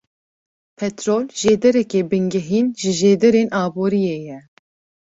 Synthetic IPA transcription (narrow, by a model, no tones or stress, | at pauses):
pʰɛt̪ɾoːlʒeːd̪ɛɾɛkeːbɨŋɡɛɦiːnʒɨʒeːd̪ɛɾeːnʔɑːboːɾijeːjɛ